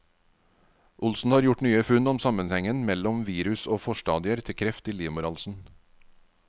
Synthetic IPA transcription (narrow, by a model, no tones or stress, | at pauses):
ʔʊlsn̩hɑːɾjʊʈnyːəfʉnɔmsɑmənhɛŋənmɛlɔmʋiːɾʉsoːfɔʃʈɑːd̪ɪəɾt̪ʰɪkʰɾɛft̪iːliːmʊɾɑlsn̩